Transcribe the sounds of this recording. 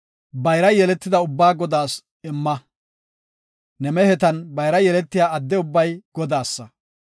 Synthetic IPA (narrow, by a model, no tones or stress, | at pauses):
bɐjɾɐjɛlɛt̪ːɪd̪ɐʊbːaːɡɔd̪aːs | ɪmːɐ | nɛmɛhɛt̪ɐnbɐjɾɐjɛlɛt̪ːɪjaːɐd̪ːɛʊbːɐjɡ̥ɔd̪aːsːɐ